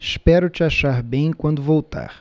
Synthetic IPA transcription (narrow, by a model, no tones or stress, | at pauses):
ɪspɛɾʊt͡ʃɪaʃaɾbẽj̃kwɐ̃nd̪ʊvowt̪a̰ɾ